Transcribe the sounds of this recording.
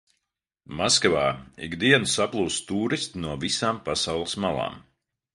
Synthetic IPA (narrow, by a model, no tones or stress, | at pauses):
maskavaːḭɡd̪iɛnusaplˠuːst̪uːɾist̪nuɔvisaːmpasawlˠɐsmalˠa̰ːm